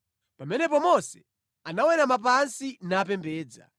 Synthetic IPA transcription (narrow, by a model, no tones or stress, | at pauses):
pamɛnɛpɔmɔsɛ | anawɛɾamap̬ansinaːp̬ɛmbɛːd͡za̰